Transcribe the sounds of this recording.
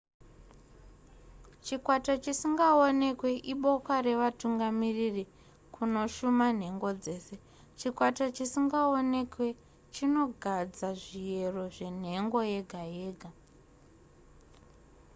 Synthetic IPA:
t͡ʃikwatat͡ʃisiŋɡaone̞kwe̞ʔiɓo̞kware̞ʋatuŋɡamiriri | kuno̞ʃuman̤e̞ŋɡo̞d͡ze̞ːse̞ | t͡ʃikwatat͡ʃisiŋɡao̞ne̞kwe̞ | t͡ʃino̞ɡʱad͡zaʐije̞ro̞ʐe̞n̤e̞ŋɡo̞je̞ɡʱajeːɡʱa

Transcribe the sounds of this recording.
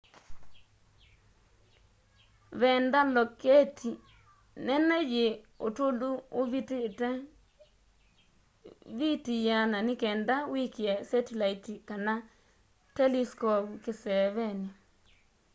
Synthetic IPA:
βɛndalɔkɛtʰi | nɛnɛjeotoluoβittɛ | βitijananikɛndawikiɛsɛtilaitikana | tɛliskɔpukesɛβɛni

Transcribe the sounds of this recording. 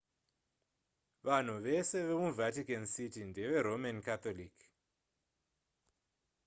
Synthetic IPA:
ʋan̤uʋe̞se̞ʋe̞muvatikansitindeʋe̞ɾomankat̪olik

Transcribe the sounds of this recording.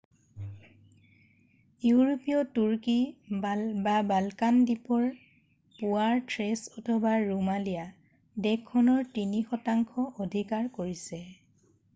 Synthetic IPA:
juɹopijɔtuɹki | babalkandipɔɹ | puaɹtɹɛsɔtʰɔbaɹumalija | dɛkʰːɔnɔɹtinixɔtaŋkʰɔʔodʱikaɹkoɹisɛ

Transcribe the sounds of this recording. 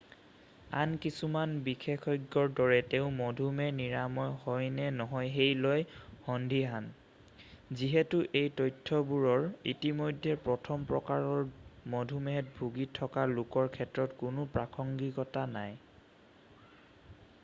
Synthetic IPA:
a̰nkisumanbixʰekɔjɡːɔɹdɔɹɛtɛʊ̃mɔdʱumɛniɹamɔjhɔjnɛnɔɦɔjɦejlɔjhɔndʱiɦan | ziɦɛtʊʔejtɔjtʰːɔbuɹɔɹḭtimojdʱːɛpɹɔtʰɔmpɹɔkaɹɔɹmɔdʱumɛɦɛt̚bʱuɡitʰɔkalʊkɔɹkʰɛtɹɔtkʊnʊpɹakʰɔŋɡikɔtanaj

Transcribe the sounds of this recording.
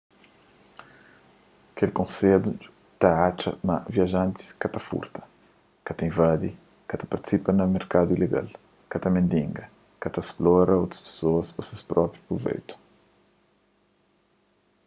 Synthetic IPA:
ɐkelkõsed̪u | t̪aat͡ʃɐ̰mɐviaʒãnt̪i̥skɐt̪ɐfṵɾt̪ɐ̥ | kɐt̪ɐĩvad̪i | kɐt̪ɐ̥pɐɾt̪i̥sipɐnɐmeɾkad̪uileɡa̰l | kɐt̪ɐmẽnd̪ĩŋɡɐ | kɐt̪ɐsplɔɾɐowt̪ɾɐ̥spe̥soɐspɐsespɾɔpɾjupɾuvḛjt̪u̥

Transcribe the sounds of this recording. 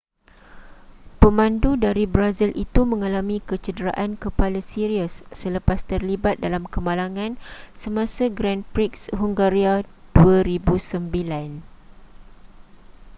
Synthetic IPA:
pəmãndudaɾibɾazilʔit̪umə̃ŋãlamĩkət͡ʃədəɾa̰ʔankəpalasiɾiəsːələpast̪ərlibat̪̚dalamkəmalaŋãnsəmãsaɡɾanpɾiksɦuŋɡaɾiad̥uaɾibusəmbilan

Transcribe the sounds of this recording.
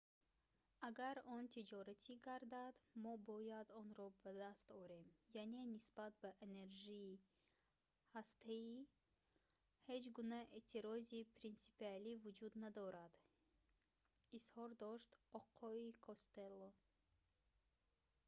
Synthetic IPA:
aɡaɾɔnt̪ʰid͡ʒɔɾat̪ʰiɡaɾd̪ad̪mɔbɔjad̪ɔnɾɔbad̪ast̪ɔɾe̞mjane̞nisbat̪̚baʔene̞ɾʒiː | hast̪ʰai | he̞d͡ʒɡunaʔet̪ʰiɾɔzipʰɾinsi̥pialivud͡ʒud̪nad̪ɔɾad̪̥ | ishɔɾd̪ɔʃt̪ɔqʰɔikʰost̪elːo

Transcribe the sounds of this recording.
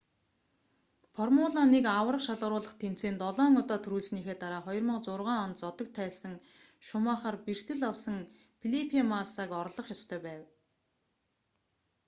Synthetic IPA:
fʰɔrmʊːɮanekawərə̆qʃaɮʁəɾʊːɮə̆χt̪ʰem̥t͡seːnt̪ɔɮɔːŋʊt̪aːt̪ʰɵɾuːɮsniːxeːt̪aɾaːχɔjɞ̆rmə̆qt͡sʊrʁaːɔnt̪t͡sɔt̪ə̆k̚t̪ʰæːsə̆ŋ | ʃʊmaːχaːrpir̥t̪ɘ̆ɮɔwsə̆ŋ | pʰiɮipʰiamasaːkɔɾɮɞ̆χjɔst̪ʰœːpæːw

